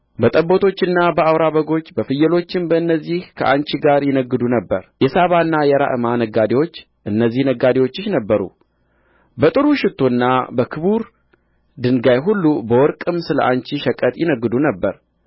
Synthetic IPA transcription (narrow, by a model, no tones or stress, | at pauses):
bət̪ʼəbːo̞t̪ʰo̞t͡ʃːɨnːabəawɾaβəɡo̞t͡ʃːbəfɨjːɛlo̞t͡ʃːɪnbəɨnːəzːihkʰə̰ʔa̰ɲt͡ʃiɡaɾjɪnəɡːɨd̪unəbːəɾjɛsaβaɨnːajɛɾa̰ʔɨmanəɡːad̪ewo̞t͡ʃː | ʔɨnːəzːihnəɡad̪ewo̞t͡ʃːɪʃnəbːəɾṵ | bət̪ʼɨɾuʃɪt̪ʰːo̞nːabəkʰɨβuɾ | d̪ɨŋɡajɦulːubəwɔɾkʼɨmsɨlə̰ʔaɲt͡ʃiʃəkʼət̪ʼjɪnəɡːɨd̪unəbːəɾ